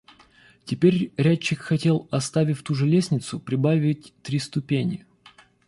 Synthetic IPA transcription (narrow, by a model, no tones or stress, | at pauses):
tʲɪpʲeɾʲɾʲæt͡ɕːɪkxɐtʲe̞lˠɐst̪avʲɪfʲt̪uʐɨlʲesʲnʲɪt̪sʊpɾʲɪbavʲɪtʲt̪ɾʲist̪ʊpʲenʲɪ